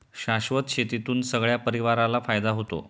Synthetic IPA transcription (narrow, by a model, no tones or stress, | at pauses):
ɕaɕʋət̪ɕet̪it̪uːnsəɡɭjapəɾiʋaɾalafajd̪aɦot̪o̰